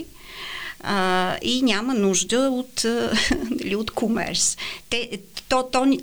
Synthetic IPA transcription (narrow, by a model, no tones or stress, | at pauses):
əinʲamənuʒd̪əot̪ | əliot̪komɛ̰ɾst̪ɛt̪ɔt̪ɔnʲ